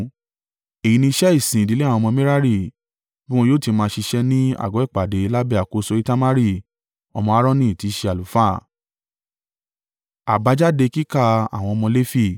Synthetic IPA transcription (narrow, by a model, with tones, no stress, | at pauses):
e˨i˨˧nĩ˧i˧ʃɛ˦i˦˨sĩ˨di˨˦lẽ˦˨ɔ̃˧mɔ̃˧mẽ˦ɾa˦ɾi˦˨ | bĩ˦ɔ̃˧joː˦˨ti˧mãː˧ʃi˧ʃɛ˦nĩ˦a̰˦˨ɡɔ˨˦i˦˨k͡pa˨de˨˦la˦bɛ˦˨a˨ko˧˦so˧i˦ta˦ma˦ɾi˦˨ | ɔ̰˧mɔ̃˧a˦ɾɔ̃˦nĩ˦˨ti˨˦˧ʃe˧a˨lu˨fa˦˨ | a˨ba˨˦d͡ʒa˦de˧ki˦ka˦˨a̰˨w̃ɔ̃˧ɔ˧mɔ̃˧le˦fi˦˨